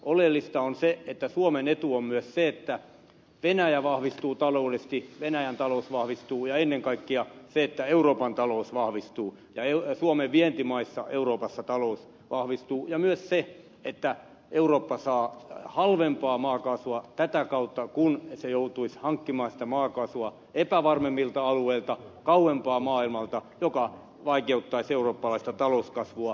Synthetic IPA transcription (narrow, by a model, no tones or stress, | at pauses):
olelːist̪ɑonseet̪ːæsuomenet̪uommyøsseet̪ːæ | ʋenæjæʋɑhʋist̪uːt̪ɑloudest̪iʋenæjænt̪ɑlousʋɑhʋist̪uːjɑenːeŋkɑikːiɑseet̪ːæeuroːpɑnt̪ɑlousʋɑhʋist̪uː | jɑeusuomeʋʋient̪imɑisːɑ̰ʔeuroːpɑsːɑt̪ɑlous | ʋɑhʋist̪uːjɑmyøsse | et̪ːæ | euroːpːɑsɑːhɑlʋempɑːmɑːkɑsʋuɑt̪æt̪ækɑut̪ːɑkunsejout̪uishɑŋkːimɑːsi̥t̪æmɑːkɑsuɑ | epæʋɑrmemːilt̪ɑɑlueilt̪ɑkɑuempɑːmɑːilmɑlt̪ɑjokɑ | ʋɑikeut̪ːɑiseuroːpːɑlɑist̪ɑt̪ɑlouskɑsʋuɑ